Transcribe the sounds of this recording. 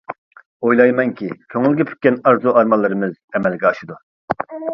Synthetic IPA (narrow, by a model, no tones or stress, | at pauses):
ojlˠɑjmɛŋkʲʰikʲʰøŋɪlɡʲɛpʰy̥t̪̚ʲkʲːɛnɑɾzuɑɾmɑlˠːɨɾɨmɨzɛmɛlɡʲɛɑʃɨd̪u